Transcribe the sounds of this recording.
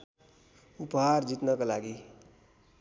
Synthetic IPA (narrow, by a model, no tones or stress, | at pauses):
upɦaɾd͡zit̪nʌkʌlaɡi